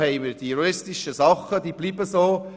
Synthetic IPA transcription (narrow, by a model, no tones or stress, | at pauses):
hɛɪməd̥ioɾɪstɪʃəsɑχədiːbliːbəsoː